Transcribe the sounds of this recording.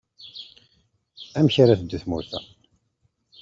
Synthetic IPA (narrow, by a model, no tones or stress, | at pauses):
æmçaɾæθəd̪ːθmuɾθæ̰